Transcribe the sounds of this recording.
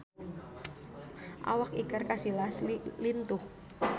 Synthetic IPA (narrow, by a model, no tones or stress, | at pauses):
ʔa̰wak̚ikarkasilaslint̪ʊh